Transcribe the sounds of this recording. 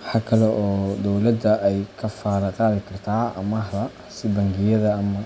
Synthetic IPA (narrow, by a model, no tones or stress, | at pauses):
wħɑːkʰɐlɛʔɔːd̪ɔwlɐd̪ɐʔɛjkʰɐfaːɾɐqɑːðɪkʰɐrt̪ʰaːɐ̰mɐɦdɐ | sɪbɐŋɡɪjɐðɐɐmɐ